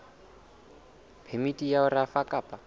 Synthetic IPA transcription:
pʰemitʼijaʊɾafakʼaːpʼa

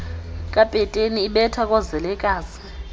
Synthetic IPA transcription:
kʼapʼɛtʼeniːɓɛtʰak̬ʼɔzɛlɛkʼaːzi̥

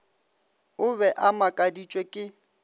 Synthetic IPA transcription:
ʊβɛʔamakʼadit͡ʃʼwekʼɪ

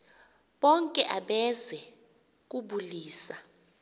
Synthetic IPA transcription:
ɓɔŋkʼɛʔaɓɛzɛ | k̬ʼuɓuliːsa

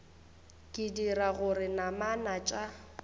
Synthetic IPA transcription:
kʼɪdiɾaɣʊrɪnamanat͡ʃʼa

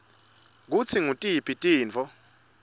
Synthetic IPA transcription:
k̬ut͡sʰiŋutʼipʰitʼiːnt͡fʰɔ

